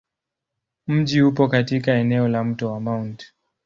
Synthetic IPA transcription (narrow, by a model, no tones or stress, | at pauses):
m̩ʄiupɔkatikaɛnɛɔlam̩tɔwamawnt